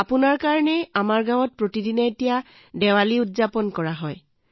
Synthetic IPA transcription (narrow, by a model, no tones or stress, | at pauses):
apunaɹkaɹɔnɛamaɹɡãw̃ɔt̚pɹotidinɔetija | dɛwaliutzapɔnkɔɹaɦɔj